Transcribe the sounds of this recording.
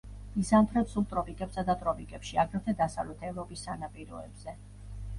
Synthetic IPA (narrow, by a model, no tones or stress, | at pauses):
izamt̪ʰɾɛpsulˠt̪ʼɾɔpʼikʼɛpsad̪at̪ʼɾɔpʼikʼɛpʃiaɡɾɛt̪ʰɛd̪asa̰vlɛt̪ʰɛvɾɔpʼisːanapʼiɾɔɛ̰bz̥ɛ